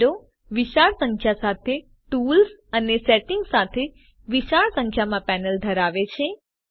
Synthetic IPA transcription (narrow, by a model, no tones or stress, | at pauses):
o | ʋiʃaɭsə̃ŋkʰjasat̪ʰe | ʈulsəneseʈɪŋɡsat̪ʰe | ʋiʃaɭsə̃ŋkʰjamãpɛnəld̪ʱəɾaʋet͡ʃʰe